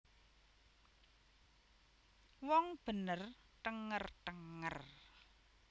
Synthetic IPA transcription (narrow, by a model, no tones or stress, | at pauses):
wɔŋb̥ə̤nər | t̪əŋərt̪əŋə̰r